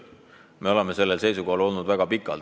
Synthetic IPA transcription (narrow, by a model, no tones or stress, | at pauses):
me̞o̞leme̞se̞lːelse̞jsuko̞hɑlo̞lnud̪væɡ̥ɑpikːˑɑ̰l